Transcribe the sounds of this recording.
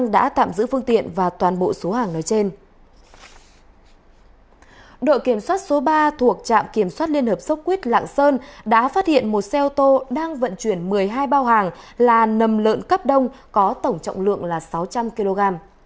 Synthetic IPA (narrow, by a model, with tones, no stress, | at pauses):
ŋɗa̰ː˧˥t̪a̰ː˧˨mzɨ̰˧˥fɨ˧əŋt̪ḭ˧˨ənvaː˨˩t̪waː˨˩nɓo̰˧˨so˨˦haː˨˩ŋnɔː˨˦jt͡ɕe˧n | ɗo̰˧˨jki˧˩əmswaː˦˥t̚so˨˦ɓaː˧t̪ʰu˨˩ək̚t͡ɕa̰ː˧˨mki˧˩əmswaː˦˥t̚li˧ənhəː˨˩p̚sə˦˥k͡p̚kwi˦˥t̚la̰ː˧˨ŋsəː˧nɗa̰ː˧˥faː˦˥t̚hḭ˧˨ənmo˨˩t̚sɛ˧ʔo˧t̪o˧ɗaː˧ŋvə̰˧˨nt͡ɕwi˧˩ənmɨ˨˩əjɦaː˧jɓaː˧wɦaː˨˩ŋlaː˨˩nə˨˩mlə̰ː˧˨nkə˦˥p̚ɗə˧wŋ͡m | kɔ˨˦t̪ə˧˩wŋ͡mt͡ɕɔ̰˧˨wŋ͡mlɨ̰˧˨əŋlaː˨˩sa˨˦wt͡ɕa˧mki˧lo˧ɣaː˧m